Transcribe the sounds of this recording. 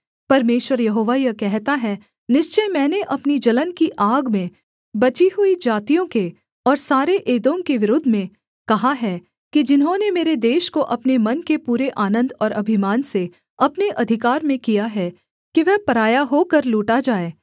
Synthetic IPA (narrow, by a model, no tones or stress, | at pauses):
pɐɾmeːʃwəɾjɐɦoːʋajɐkɛɦt̪aɦɛ | nɪʃt͡ʃəjmɛ̃ːneʔɐpnid͡ʒɐlənkiʔaːɡmẽ | bɐt͡ʃiɦʊid͡ʒaːt̪ijõke | ɔːɾsaːɾeʔeːd̪õŋkeʋɪɾʊd̪ʱːmẽ | kɐɦaɦɛ | kid͡ʒɪnɦõnemeːɾed̪eːʃkoʔɐpnemɐnkepuːɾeʔaːnə̃nd̪ɔːɾɐbʱɪmaːnse | ɐpneʔɐd̪ʱɪkaːɾmẽkijaɦɛ | kiʋɛɦpɐɾaːjaɦoːkɐɾluːʈad͡ʒaːeː